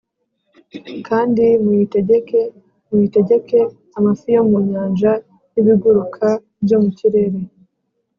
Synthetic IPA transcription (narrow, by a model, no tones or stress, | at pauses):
kʰaːndimuiteɟeke | muite̞ɟe̞ke̞ | amafijomuɲaːnʒa | niβiɡuɾukʰa | bɟo̞muciɾe̞ɾe̞